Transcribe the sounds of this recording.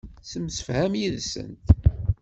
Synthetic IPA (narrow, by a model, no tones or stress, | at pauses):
səmsə̥fhæmjiðsə̰nt̪